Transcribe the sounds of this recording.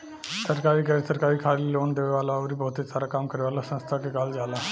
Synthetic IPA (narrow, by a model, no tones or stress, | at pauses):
səɾkaɾiːkəɾəsəɾkaɾiːkʰaɾiloːnd̪eʋeʋalaʋɾibəɦut̪ʰesaɾakamkəɾeʋalasə̃nst̪ʰakekald͡zala